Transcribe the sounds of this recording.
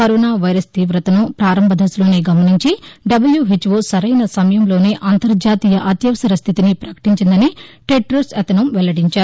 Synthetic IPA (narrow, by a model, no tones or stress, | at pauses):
kɐɾoːnaːʋɐjɾɐst̪iːʋɾɐt̪ɐnɐpɾaːɾɐmbʱɐd̪ʱɐslo̞ːneːɡɐmɐniɲt͡ʃiɖɐbɐljuɦit͡ʃʋoːsɐɾɐjnɐsɐmɐjɐmlo̞ːneːʔaːnt̪ɐɾd͡ʒaːt̪iːjɐʔɐt̪jɐʋɐsɐɾɐst̪ʰit̪inipɾɐkɐ̥ʈiɲt͡ʃind̪ɐniʈeʈːɐɾsɐt̪ɐnɐmʋɛlɐɽiɲt͡ʃaːɾu